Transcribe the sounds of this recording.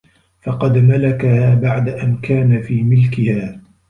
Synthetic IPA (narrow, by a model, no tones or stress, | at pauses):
fɑqɑd̪malakahaːbaʕd̪aʔankaːnafiːmɪlkɪhaː